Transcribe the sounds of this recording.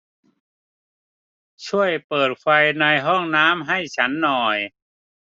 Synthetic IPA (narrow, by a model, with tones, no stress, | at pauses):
t͡ɕʰu˥˩əjpɤː˨˩t̪̚kʰfa˧jna˧jɦɔ˥˩ŋnaː˦˥mɦa˥˩jt͡ɕʰa˦˥nːɔː˨˩j